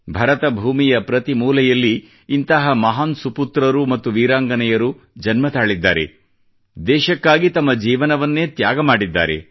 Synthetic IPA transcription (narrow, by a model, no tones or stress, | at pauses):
bʱɐɾɐt̪ɐbʱuːmijɐpɾɐt̪imuːlɐjɐlːiː | nt̪ɐɦɐmɐɦaːnsuput̪ɾɐɾumɐt̪ːuʋiːɾaːŋɡɐnɛjɐɾu | d͡ʒɐnmɐt̪aːɭid̪ːa̰ːɾḛ | d̪ɛːʃɐkːaːɡit̪ɐmːɐd͡ʒiːʋɐnɐʋɐnːe̞ːt̪jaːɡɐmaːɽid̪ːa̰ːɾḛ